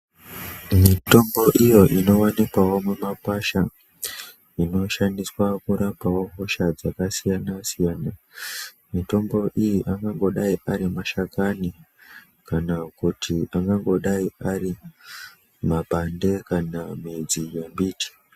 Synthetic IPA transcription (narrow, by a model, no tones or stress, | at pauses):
mito̞mbo̞ʔijo̞ʔino̞wanikwawo̞mumapaʃa | ino̞ʃandiswakuɾapawo̞ɦo̞ʃad͡zakasijanasijaːna | mito̞mbo̞ʔijiʔaŋɡaŋɡo̞ɗaiʔaɾimaʃakani | kanakutʰiaŋɡaŋɡo̞ɗaiaɾi | mapande̞kanamid͡zijembiːti̥